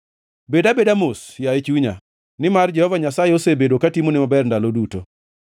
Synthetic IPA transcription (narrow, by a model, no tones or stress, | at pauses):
bedabedamosjaet͡ʃuɲa̰ | nɪmard͡ʒɛhɔvaɲasajeosebedokatimonɪmabɛrndaloduto